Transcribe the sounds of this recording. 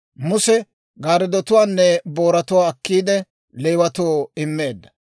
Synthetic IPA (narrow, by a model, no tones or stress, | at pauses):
mʊsɛ | ɡaːɾɪd̪ɔt̪ʊwaːnːɛbo̞ːɾɐt̪ʊwaːkːiːd̪ɛ | lejwɐt̪oːɪmːeːd̪ːɐ̥